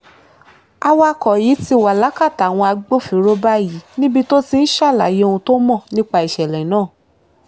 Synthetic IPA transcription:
a˧wa˧˦˧kɔ˨ji˨˦ti˧˨wa˨la˨˦ka˦˨ta˨w̃ɔ̃˧a˧ɡ͡bo˦fi˨˦ɾo˦ba˦ji˨˦nĩ˦bi˦˧to˦ti˧n̩˦ʃa˦˨la̰˨je˨˧o˧ũ˧to˦mɔ̃˦˨nĩ˦k͡pa˧i˨ʃɛ˨lɛ˨˦nãː˦˨

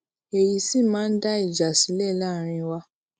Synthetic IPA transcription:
e˨ji˧si˦mãː˦n̩˦da˦i˦˨d͡ʒa˨si˨˦lɛ˦˨la˦˨ɾ̃ĩ˧wa˧

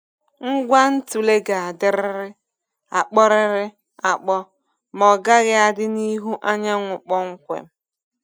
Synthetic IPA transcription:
ŋ̩˦ɡʷa˦n̩˦tu˨le˦ɡa˨a˨dɪ˦ɾɪ˦ɾɪ˦ | a˨k͡pɔ˦ɾɪ˦ɾɪ˦ | a˨k͡pɔ˦ | mɔ˨ɡa˦ɣɪ˦a˦dɪ˦ni˦ɦu˦ʔa˦ɲa˦ŋʷʊ˨k͡pɔ˦ŋ̩˦kʷḛ˨m̩˦

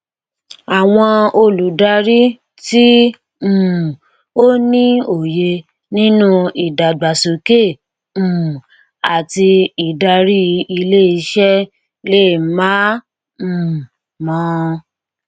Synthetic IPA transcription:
a˨w̃ɔ̃˧o˧lu˨da˧ɾi˦ | tĩ˦˨ | o˦nĩ˦o˨je˧ | nĩ˦nũ˦i˨da˨ɡ͡ba˨so˨kẽ˦˨ | a˨ti˧i˨da˧ɾi˦˧i˧le˦i˧ʃɛ˦ | le˦˨mã˦˨ | mɔ̃˨˦

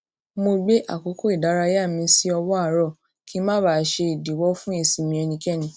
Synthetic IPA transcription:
mo˧ɡ͡be˦ʔa̰˦˨ko˨˦ko˦i˦˨da˨˦ɾa˧ja˦˨mĩ˧˦si˦ɔ˧wɔ˦a˦˨ɾɔ˦˨ | kʰi˨˦mã˦ba˦˨ʃe˧i˨di˨wɔ˦fũ˦e˧˨sĩ˨mĩ˧ɛ˧nĩ˧kɛ˦˨nĩ˧

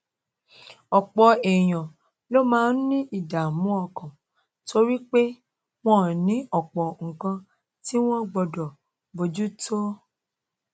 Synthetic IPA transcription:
ɔ˨k͡pɔ˧ɛ˨j̃ã˨ | lo˦mãː˦n̩˦nĩ˦ʔi˦˨da˨mũ˦ɔ˧˨kã˨ | tʰo˦ɾi˦k͡pe˦ | w̃ɔ̃˦˨nĩ˨˦ɔ˦˨k͡pɔ˨ŋ̩˨kã˧ | ti˦w̃ɔ̃˦ɡ͡bɔ˧dɔ˨ | bo˧d͡ʒu˦to˦

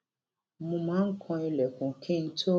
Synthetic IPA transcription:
mũ˧mãː˨˦ŋ̩˦kʰɔ̃˧i˧lɛ˨kũ˨kʰẽ˦n̩˦tʰo˦

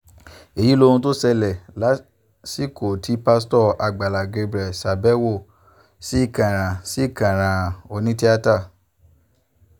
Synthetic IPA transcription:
e˨ji˨˦lo˧˦ũ˧to˦sɛ˧lɛ˨la˨˦ | si˦˨ko˨tʰi˨˦pa˦s̬tɔ˦˨a˧ɡ͡ba˨la˨ɡe˧bɾɛ˨sa˨bɛ˦wo˦˨ | si˨˦i˦˨kã˨ɾ̃ã˨si˦i˦˨kã˨ɾ̃ã˨o˧nĩ˦ti˦a˦ta˦˨

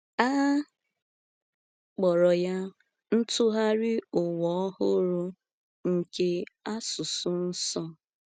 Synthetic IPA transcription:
a˦ | k͡pɔ˨ɾɔ˨ja˦ | n̩˦tʊ˦ɦa˦ɾɪ˦ʊ˨wɔ˨˦hʊ˦ɾʊ˦ | ŋ̩˨ke˦a˦sʊ˨sʊ˦n̩˦sɔ˦

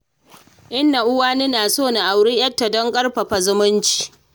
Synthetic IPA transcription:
ʔɪ˦nːa˨ʔʊ˦waː˦ni˦naː˨soː˦˨na˨ʔa˨wɽiː˦j̰ɐ˦tːa˨dɔ˦ŋkʼɐ˦rɸɐ˨ɸa˨zʊ˦mʊ˦nt͡ʃi̥ː˨

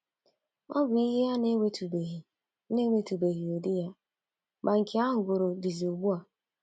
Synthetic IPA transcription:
ɔ˦bʊ˨i˦ɦe˦a˦n˦e˨tu˨be˨ɦ | ne˦ŋʷe˨tu˨be˨ɣi˨o˨di˦ja˦ | ba˨ŋ̩˨ke˨˦a˦ɦʊ˨ɡʊ˨ɾo˨di˨zi˨o˨ɡ͡bu˦a˨

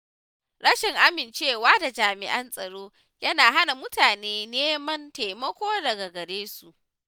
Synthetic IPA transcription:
ɽɐ˦ʃɪ˨ŋʔa˦mɪ˨nt͡ʃeː˦˨waː˦da˨d͡ʒaː˨mɪ̰˨ʔɐ˦nsʼɐ˨ɽoː˦ | jɐ˦naː˨ɦa˦na˨mʊ˦taː˨neː˦neː˦mɐ˦˨nteː˨mɐ˦kʷoː˦dɐ˨ɡa˨ɡɐ˨ɽeː˦su˨ʔ

